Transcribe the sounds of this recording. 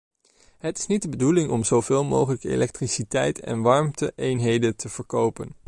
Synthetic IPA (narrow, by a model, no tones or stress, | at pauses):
ɦətɪ̥snit̚dəbədulɪŋɔmzowvɪːlˠmo̰wχələkəḛlɛk̚trisitɛjtɛ̰nʋɑɹmtəʔejnɦejdəntəv̥əɹkowpən